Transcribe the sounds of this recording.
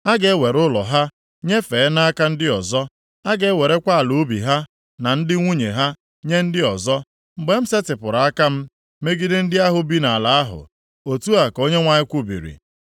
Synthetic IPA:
a˦ɡe˨˦we˨ɾʊ˦lɔ̰˨ɦa˦ | ɲe˦fe˨˦na˦a˦ka˦n̩˦dɪ˦ɔ˨zɔ˦ | a˦ɡe˦we˨ɾe˦kʷa˦a˨lu˨˦bḭ˨ɦa˦ | na˨n̩˦dɪ˦ŋʷu˦ɲe˨ɦa˦ | ɲe˦n̩˦dɪ˦ɔ˨zɔ˦ | m̩˨ɡ͡be˦m̩˦se˦tɪ˨pʊ˨ɾa˨a˦ka˦m̩˦ | me˦ɡi˦dɪ˦n̩˦dɪ˦a˦ɦʊ˨bi˦na˨a˨la˨a˦ɦʊ̰˨ | o˨tu˦a˨ko˦ɲe˦ŋʷa˨ɲɪ˦kʷu˦bḭ˨ɾḭ˨

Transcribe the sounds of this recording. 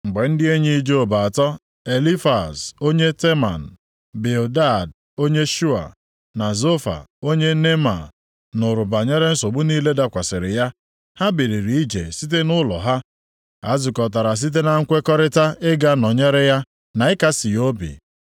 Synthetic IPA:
ŋ͡m̩˨ɡ͡be˨n̩˦dɪ˦e˦ɲi˦i˦d͡ʒo˨ba˨a˨tɔ˦ | e˨li˦fa̰˨so˦ɲe˦te˦ma̰˨n̩˨ | be˨o˨da˦˨d | o˦ɲe˦ʃu˦a̰˨ | na˨zo˦fa̰˨o˦ɲe˦ne˦ma̰˨ | nʊ˨ɾʊ˨ba˨ɲe˦ɾe˦n̩˦so˨ɡ͡bʊ˦niː˦le˦da˦kʷa˨sɪ˨ɾɪ˨ja˦ | ha˦bi˨ɾi˨ɾi˨i˦d͡ʒḛ˨si˦t̬e˦nʊ˦lɔ̰˨ɦa˦ | a̰˦zʊ˨kɔ˨t̬a˨ɾa˨s̬i˦t̬e˦na˨ŋ̩˦kʷe˦kɔ˦ɾɪ˦ta˦ɪ˦ɡa˦nɔ˨ɲe˦ɾɪ˦ja˦ | na˨ɪ˦ka˦si˨jo˦bḭ˨

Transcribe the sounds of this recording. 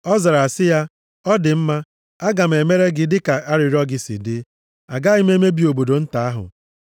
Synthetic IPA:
ɔ˦za˨ɾa˨sɪ˦ja˦ | ɔ˦dɪ˨m̩˦ma˦ | a˦ɡa˨m̩˨e˨me˦ɾe˦ɡɪ˦dɪ˦ka˨a˦ɾɪ˨ɾɔ˦ɡɪ˦sḭ˨dɪ˦ | a̰˨ɡa˦ɪ˦me˦me˦bi˨o˨bo˨do˨n̩˦ta˨a˦ɦʊ̰˨

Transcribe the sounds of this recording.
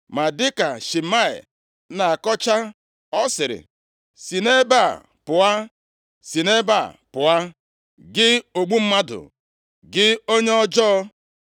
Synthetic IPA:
ma˨dɪ˦ka˨ʃi˨ma˦ɪ̰˨˦ | na˨kɔ˦t͡ʃa˦ | ɔ˦sɪ˨ɾɪ̰˨ | si˨ne˦ba˦˨ | pʊ˨a˦ | si˨ne˦ba̰˨pʊ˨a˦ | ɡɪ˦o˨ɡ͡bu˦m̩˦ma˦dʊ̰˨ | ɡɪ˦o˦ɲe˦ɔ˦d͡ʒɔː˦˧

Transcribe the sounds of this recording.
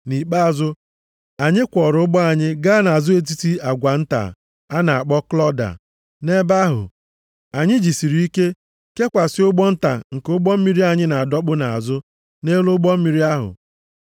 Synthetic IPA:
ni˨k͡pa˦˨zʊ˦ | a˨ɲɪ˦kʷɔ˨ɾʊ˨˦ʊ˦ɡ͡bɔ˦a˨ɲɪ˦ɡa˦na˨a˨zʊ˦e˦t̬i˦ti˦a˨ɡʷa˨n̩˦ta̰˨ | a˦na˨a˨k͡pɔ˦klɔ˦da̰˨ | ne˦ba˦ɦʊ̰˨ | a˨ɲɪ˦d͡ʒi˨si˨ɾi˦i˦ke˦ | ke˦kʷa˨sɪ˦ʊ˦ɡ͡bɔ˦n̩˦ta̰˨ŋ̩˨kʊ˦ɡ͡bɔ˦m̩˦mi˦ɾi˦a˨ɲɪ˦na˨a˨dɔ˦k͡pʊ˦na˨a̰˨zʊ˦ | ne˦lʊ˦ɡ͡bɔ˦m̩˦mi˨ɾi˦a˦ɦʊ̰˨

